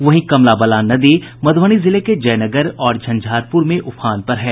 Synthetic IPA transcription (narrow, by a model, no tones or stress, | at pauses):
ʋɐɦĩkɐmlabɐlaːnɐd̪eːmɐd̪ʱʋəɽ̃izɪleked͡ʒɐːnɐɡəɾɔːɾd͡ʒʱɐ̃nd͡ʒʱaːɾpʊɾmẽʔʊpʰaːnpɐɾɦɛː